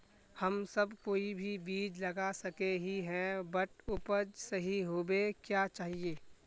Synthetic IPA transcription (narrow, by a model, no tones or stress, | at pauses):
hɐmsɐbkoːibʱibiːd͡ʒlɐɡasɐkeɦiɦɛ̃bəʈʊpəd͡ʒsɐɦiɦoːbekjaːt͡ʃaːɦieː